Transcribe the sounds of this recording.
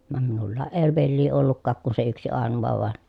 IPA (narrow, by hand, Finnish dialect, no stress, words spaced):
ʋɑm minulːɑːʔ ʔeː ʋelːiː olːukːɑːk kun se yksi ɑˑenuʋɑ ʋɑˑen